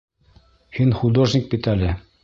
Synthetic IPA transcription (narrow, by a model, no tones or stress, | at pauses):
hinχud̪oʐnʲik̚pʲit̪ælʲɘ